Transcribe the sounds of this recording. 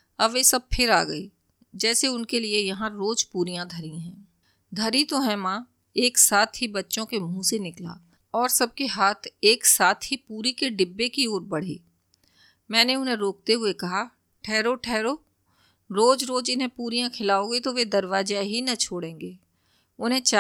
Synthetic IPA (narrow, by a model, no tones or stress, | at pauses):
ɐbʋesɐb̚pʰɪɾa̰ːɡɐi | d͡ʒɛːseʊnkeliejɐɦãɾoːd͡ʒpuːɾijãd̪ʱɐɾiɦɛ̃ː | d̪ʱɐɾit̪oɦɛ̃mãː | eːksaːt̪ʰɦibɐtːʃõkemũːsenɪkla̰ː | ɔːɾsɐb̚keɦaːt̪ʰeːksaːt̪ʰɦipuːɾikeɖɪbːekioːɾbɐɽ̤ḭː | mɛ̃ːneʊnɦẽɾoːk̚t̪eɦʊekɐɦa | ʈʰɛːɾoʈʰɛːɾoː | ɾoːd͡ʒɾoːd͡ʒɪnɦẽpuːɾijãkʰɪlaːoɡit̪oʋed̪ɐɾʋaːd͡ʒaɦinɐt͡ʃʰoːɽẽːŋɡeː | ʊnɦẽt͡ʃa